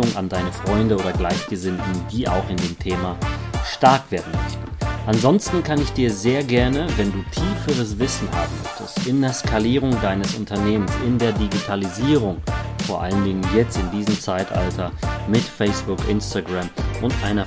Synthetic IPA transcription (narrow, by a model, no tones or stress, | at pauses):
ʊŋa̰ndaɪnəfʁ̥ɔʏndəoːɾɐɡlaɪçɡ̥əzɪntn̩diːʔa̰ʊxɪndeːmtʰeːmaʃtaɐkv̥eːɐdn̩mœ̰çtn̩ʔanzɔnstn̩kʰanɪçd̥iːɐzeːɐɡɛɐnəvɛnduːtʰiːfəʁəsv̥ɪsn̩ha̰ːbm̩mœ̰çtə̰stɪndeːɐskʰaliːʁ̞ʊŋdaɪnəsʊ̰ntʰɐneːmənsɪndeːɐdiɡitʰaliziːʁ̞ʊŋfoːɐʔaləndɪŋənjɛt͡stɪndiːzəmt͡saɪtʔa̰ltʰɐmɪtfɛɪsb̥ʊkʔɪ̰nstaɡʁamʔʊntʔaɪnɐ